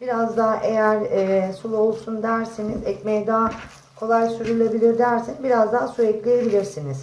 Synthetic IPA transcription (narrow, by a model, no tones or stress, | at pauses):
b̥iɾazd̪aɦʔe̞jæɾːsulˠo̞lˠsund̪æɾsenizɛcmejd̪aː | kʰo̞lˠajsyɾylʲe̞bilʲiɾd̪æɾsinbiɾazd̪aɦsuɛclʲejebilʲiɾsiniz̥